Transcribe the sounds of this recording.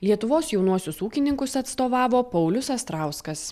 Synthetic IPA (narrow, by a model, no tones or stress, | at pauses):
lʲiɛt̪ʊʋoːsjɛʊnuɔsʲʊsuːkʲɪnʲɪŋkʊsɐt̪st̪oːʋɑːʋoːpɐʊlʲʊsɐst̪ɾɑˑʊskɐs